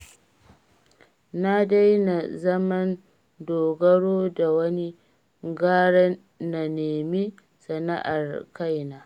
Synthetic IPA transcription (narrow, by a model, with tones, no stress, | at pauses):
na˦da˦jna˨zɐ˦mɐ˦n | doː˨ɡɐ˦ɽoː˦da˨wɐ˦ni˦ | ɡaː˦ɽɛ˦n | na˨neː˨mi˦ | sɐ˨na̰˦ʔa˨rka˦jnaː˦